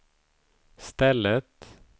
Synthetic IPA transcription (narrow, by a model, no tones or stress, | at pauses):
st̪ɛlːət̪